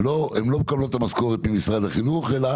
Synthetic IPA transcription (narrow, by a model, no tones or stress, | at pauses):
loemlob̚kablot̪amasko̞ʁet̪mimisʁad̪aχinuχela